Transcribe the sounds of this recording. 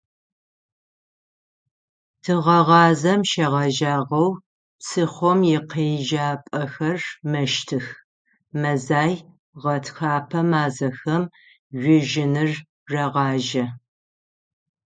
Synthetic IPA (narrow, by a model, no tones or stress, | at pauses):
tʰɨʁɐʁɑːzɐmʃɐʁɑʒaːʁɐw | sʰɨχʷɔmjɪqeːʒaːpʼɐxɐrmɐʃtʰɨx | mɐzaːj | ʁɐtʰxaːpʰɐmaːzɐxɐm | ʒʷɪʒɪnɨr | ʐɐʁɑːʒɐ